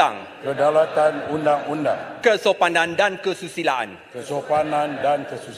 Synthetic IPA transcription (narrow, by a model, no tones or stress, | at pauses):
a̰ŋ | kədalat̪anundaŋundaŋkəsopanãndankəsusilaʔa̰n | kəsopanandankəsu